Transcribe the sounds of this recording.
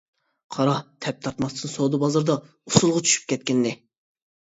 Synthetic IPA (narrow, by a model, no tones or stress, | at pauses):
qʰɑɾɑht̪ʰɛp̚t̪ʰɑɾt̪mɑst̪ɨnsod̪ɨbɑzɑɾd̪ɑ | usulˠʁɑt͡ʃʰy̥ʃy̥p̚kʲʰɛt̪̚kʲɪnːɪ